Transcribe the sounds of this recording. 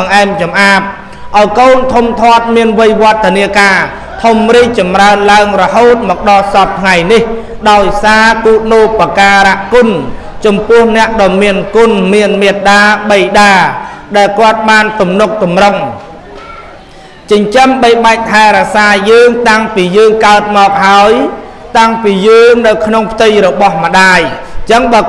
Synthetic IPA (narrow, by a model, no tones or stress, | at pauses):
ŋʔaɛmt͡ɕɑmʔaːp̚ | ʔaɔjkoːnt̪ʰumt̪ʰoət̪̚miənʋɨjʋŏət̪ʰːəniəkaː | t̪ʰumriːk̚t͡ɕɑmraənlaəŋrɔɦoːt̪̚mɔːk̚ɗɑlsɑp̚t̪ʰŋajnih | ɗaɔjsaːkuːt̪̚noːpakaːɾaʔkʊn | t͡ɕɑmpʊ̆əhnɛ̆əʔɗɑːmiənkʊnmiənmeət̪̚ɗaːɓəjɗaːɗaɛlkŏət̪̚ɓaːnt̪umnuk̚t̪umroŋ | t͡ɕəɲt͡ɕəmɓəjɓaɛk̚t̪ʰaɛɾasaːjəːŋt̪aŋpiːjəːŋkaət̪̚mɔːk̚haəj | t̪aŋpiːjəːŋnɨwkʰnoŋpʰət̪ɨjrɔɓɑhmə̆ɗaːj | t͡ɕəŋɓaə